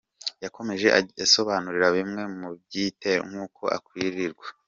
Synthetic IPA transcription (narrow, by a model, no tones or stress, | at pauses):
jako̞me̞ʒe̞ʔaso̞βaːnuɾiɾaβimŋe̞mub̚ɟiːte̞ŋhuːkʰo̞̰ʔa̰kwiɾiɾɡwa